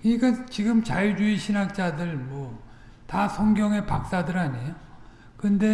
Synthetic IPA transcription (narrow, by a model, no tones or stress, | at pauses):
kɯɲikant͡ɕiɡɯmt͡ɕajid͡ʑuiɕʰinɦak̚t͡ɕ͈adɯɭmwʌ | tasʰʌŋɡjʌŋe̞pak̚s͈adɯɾaɲe̞jo | kɯnde̞